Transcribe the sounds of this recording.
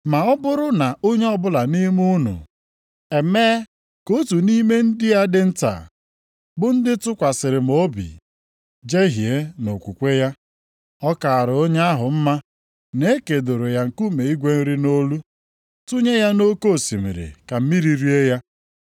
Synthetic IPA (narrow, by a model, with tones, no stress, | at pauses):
ma˨ɔ˦bʊ˦ɾʊ˦na˨o˦ɲe˦ɔ˦bʊ˦la˨ni˦m˦u˦nṵ˨ | e˨me˦ | ko˦tu˨ni˦me˦n̩˦dɪ˦ja˦dɪ˦n̩˦ta̰ː˨ | bʊ˦n̩˦dɪ˦tʊ˦kʷa˨sɪ˨ɾɪ˨m̩o˦bḭ˨ | d͡ʒe˦ɦje˦no˨kʷu˨kʷe˦ja˦ | ɔ˦ka˨a˨ɾo˦ɲe˦a˦ɦʊ˨m̩˦ma˦ | ne˦ke˨do˨ɾo˨ja˨ŋ̩˨ku˦me˨i˦ɡʷe˦n̩˦ɾi˦no˦lu˦ | tu˦ɲe˦ja˦no˦ko˦˨si˨mḭ˨ɾɪ̰˨ka˨m̩˦mi˦ɾi˨ɾi˦e˦ja˦